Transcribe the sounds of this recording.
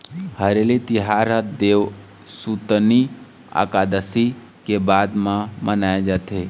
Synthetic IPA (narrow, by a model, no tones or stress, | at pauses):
həɾelit̪iɦaɾəd̪eʋ | sut̪ni | a̰kad̪əsi | kebad̪mãmənaed͡ʒat̪ʰe